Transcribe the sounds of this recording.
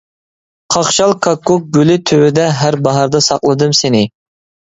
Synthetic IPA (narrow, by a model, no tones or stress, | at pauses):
qʰɑχʃɑlˠkʰɑkːʊk̚ɡʲølɪt̪ʰøwɪd̪ɛɦæɾbɑɦɑɾd̪ɑsɑ̰qlˠɨd̪ɨmsenɪ